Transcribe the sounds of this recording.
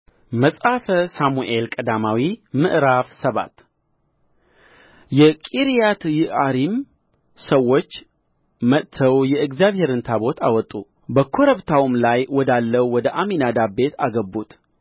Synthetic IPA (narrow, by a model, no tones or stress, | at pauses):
məsʼafəsamuʔelkʼəd̪amawimɨ̰ʔɾafsəβa̰t̪ | jɛkʼiɾijat̪jɪaɾim | səwːo̞t͡ʃː | mət̪ʰːəwjɛɨɡzjaβhe̞ɾɨnt̪ʰaβo̞t̪ʰa̰wɔt̪ʼːu | bəkʰo̞ɾəβt̪ʰawmlajwɔd̪alːəwwɔd̪əʔaminad̪abe̞t̪ʰaɡəbːut̪